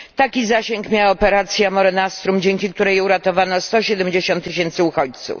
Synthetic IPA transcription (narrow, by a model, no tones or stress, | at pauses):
t̪akʲizaɕɛŋkmʲjawaɔpɛɾat̪sʲjamɔɾɛnast̪ɾumd͡ʑeŋkʲik̚t̪uɾɛjuɾat̪ɔvanɔst̪ɔɕɛd̪ɛmʲd͡ʑeɕɔ̃nt̪ːɘɕ̬ɛnt̪sɘuxɔt͡ɕt̪sṵf